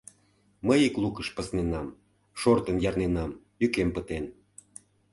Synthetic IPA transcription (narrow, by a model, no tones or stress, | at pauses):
məjiklukəʃpəsnenɑm | ʃort̪ənjɑrnenɑm | jykempət̪en